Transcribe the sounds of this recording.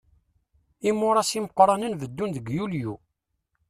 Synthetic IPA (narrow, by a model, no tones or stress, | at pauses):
imːʊɾˤɑsiməqɾˤɑnənvəd̪ːunðəɡjulju